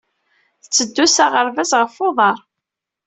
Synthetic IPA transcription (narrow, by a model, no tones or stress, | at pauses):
θət͡sːəd̪ːusaʁəɾvæzʁəfoðˤɑɾˤ